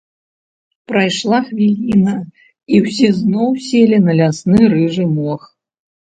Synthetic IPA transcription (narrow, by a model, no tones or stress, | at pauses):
pɾajʂlˠaxvʲilʲinɐ | iwsʲɛznɔwsʲelʲinɐlʲasnɨɾɨʐɨmɔx